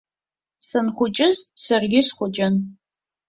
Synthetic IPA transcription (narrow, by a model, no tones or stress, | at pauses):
sɐnχʷʊt͡ʃʼɪzsɐrɡʲɪsχʷʊt͡ʃʼɐn